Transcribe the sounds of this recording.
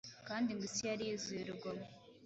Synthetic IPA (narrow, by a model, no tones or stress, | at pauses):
kaːndiŋɡisijaɾiizuiɾuɡamo